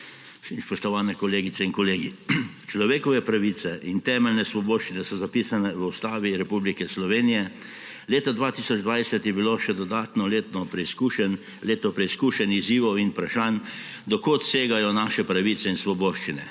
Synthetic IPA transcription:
ʃimspɔʃt̪ɔʋaːnɛkɔleːɡit̪sɛinkɔleːɡi | t͡ʃlɔʋeːkɔʋɛpɾaʋiːt̪sɛʔint̪ɛːmɛlnɛsʋɔboːʃt͡ʃinɛsɔzapiːsanɛʋəust̪aːʋiɾɛpublikɛslɔʋeːnijɛ | leːt̪ad̪ʋaːt̪iːsɔd͡ʒd̪ʋajsɛt̪jɛbiloʃɛd̪ɔd̪aːt̪nɔleːt̪nɔpɾɛskuʃɛn | leːt̪nɔpɾɛiskuːʃɛniziːʋɔwinpɾaʃaːn | d̪ɔkot̪seːɡajɔnaːʃɛpɾaʋiːt̪sɛinsʋɔboːʃt͡ʃinɛ

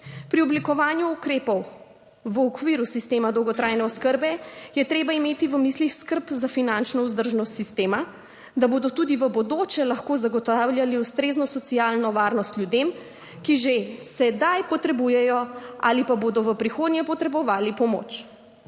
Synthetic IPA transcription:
pɾiɔblikɔʋaːnjuːkɾeːpɔw | ʋəɔkʋiːɾusist̪eːmad̪ɔwɡɔt̪ɾajnɛɔskəɾbɛjɛt̪ɾeːbaimeːt̪iʋəmislixskəɾpzafinant͡ʃnɔuzd̪əɾʒnɔst̪sist̪eːma | d̪aboːd̪ɔt̪ud̪iʋəbɔd̪oːt͡ʃɛlaxkoːzaɡɔt̪awlʲjaliust̪ɾeːznɔsɔt̪sialnɔʋaːɾnɔst̪lʲjud̪em | kiʒesɛd̪ajpɔt̪ɾɛbujɛjɔʔa̰lipaboːd̪ɔʋəpɾixoːd̪nʲɲjɛpɔt̪ɾɛbɔʋaːlipɔmo̰t͡ʃ

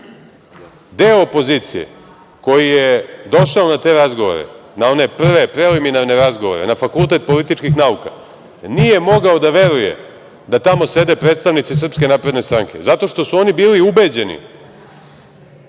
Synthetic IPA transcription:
d̪eoːpo̞ziːt̪sijḛ | ko̞jijed̪o̞ʃaonat̪e̞ɾazɡo̞ʋo̰ɾḛnao̞ne̞pr̩ʋepɾeliminaɾne̞ɾazɡoʋoɾḛnafakulˠt̪e̞t̪̚po̞lit̪it͡ʃkixnauka̰ | nije̞mo̞ɡaod̪aʋe̞ɾujḛ | d̪at̪amo̞se̞d̪e̞pɾet̪st̪aʋnit̪sis̬r̩pske̞naːpɾed̪ne̞st̪ɾaŋke̞̰zat̪o̞ʃt̪o̞suo̞nibiːliube̞d͡ʑe̞nḭ

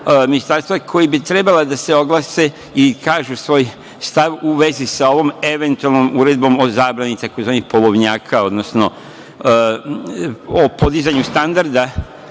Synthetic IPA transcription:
minist̪aɾst̪ʋakʰo̞jibit̪ɾe̞balad̪ase̞o̞ɡlˠase | ikaːʒusʋo̞j | st̪aʋuʋe̞zisao̞ʋo̞me̞ʋe̞nt̪ualˠnomuːɾe̞d̪̚bo̞mo̞zaːbɾanit̪ako̞zʋaːnixpolˠo̞ʋɲaːkʰao̞d̪no̞sno̞ | opo̞d̪izaɲust̪and̪aɾd̪a

